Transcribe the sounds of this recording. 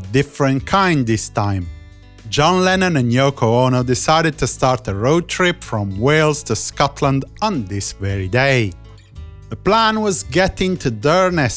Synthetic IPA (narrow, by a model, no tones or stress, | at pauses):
dɪfɹɨ̃nkʰãɪ̃nðɪstʰãɪ̃m | d͡ʒɑ̃nlɛnə̃nɨ̃njoʊkʰoonodɪsaɪɾɨd̚tʰɨstɑɹtəɹoʊd̚tʰɹ̥ɪpfɹə̃mweɪlˠz̥tʰɨskɑtʰlə̃ndə̃nðɪsvɛɹideɪ | ðəpl̥æ̃nwʌzɡɛɾɪ̃ŋtʰɨdɜ˞nɨs